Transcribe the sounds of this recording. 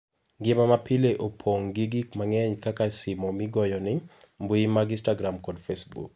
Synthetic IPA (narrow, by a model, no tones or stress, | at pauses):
ɡɪmamapɪleʔopʰoŋɡiɡikmaŋɛɲkakasɪmɔmɪɡɔjɔnɪ | mbuimaɡĩnstaɡɾamkɔdfesbṵk̚